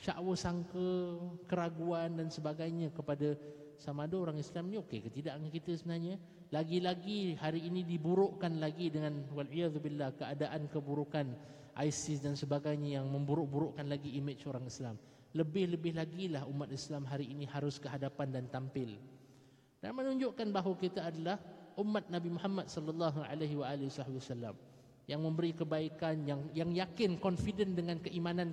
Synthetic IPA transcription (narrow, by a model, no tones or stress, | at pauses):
ʃa̰ʔwəsaŋkəkəɾaɡuandansəbaɡajɲakəpada | samaːdaoɾaŋislaminĩokekət̪idaʔaŋkit̪əsəbənaɲa | laɡilaɡihaɾiːnĩdibuɾʊʔkanlaɡidəŋãnwalijaðubilːahkəadaʔankəbuɾukan | ʔa̰jsɪsdansəbaɡajɲajaŋmə̃mbuɾʊʔbuɾoʔkanlaɡiːmət͡ʃoɾaŋislam | ləbɪhləbɪɦlaɡilahumːat̪islamɦaɾiːnĩhaɾʊskəɦadapandant̪ampɪl | d̥a̰nmənũɲd͡ʒʊʔkanbaɦwakit̪aːdalahʔumːat̪̚nabimuhamːat̪̚sɔləlːɑɦuʕa̰leɦwaalɪwasɔhbiwasalːa̰m | jaŋmə̃mbəɾikəbaikanjaŋjaŋjakɪnkɔnfidəndəŋãnkəʔimãnãn